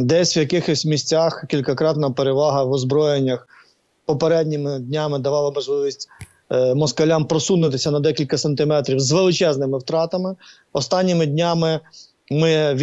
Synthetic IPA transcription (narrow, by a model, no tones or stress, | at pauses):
d̪ɛsʲʋjɐkɪxɔsʲmʲisʲt͡sʲaxkʲilʲkɐkɾɑt̪nɐpeɾeʋɑɦɐʋɔzbɾɔjenʲːɐx | pɔpeɾɛdʲnʲimɪdʲnʲamɪd̪ɐʋɑlˠɐmɔʒlˠɪʋʲisʲtʲ | mɔskɐlʲampɾɔsunɪt̪ɪsʲɐnɐd̪ɛkʲilʲkɐsɐnt̪ɪmɛt̪ɾʲiwzʋelˠɪt͡ʃɛznɪmɪwt̪ɾɑt̪ɐmɪ | ɔst̪ɑnʲːimɪdʲnʲamɪ | mɪʋʲ